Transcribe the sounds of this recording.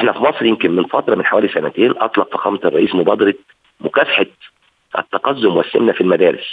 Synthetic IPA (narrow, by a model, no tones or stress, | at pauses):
ʔeħnæfimɑsˤɾjemkɪnmɪnfɑt̪ɾˤɑmɪnħawæːlisænæt̪eːnʔɑt̪ˤlɑqfɑ̥xɑ̰ːmɑt̪ɑrˤːɑʔiːsmobɑːd̪ɑɾˤɑ | mʊkæfaħa | ʔæ̰t̪ːɑqɑzːʊmwæsːɪ̰mnæfilmæd̪æːɾɪs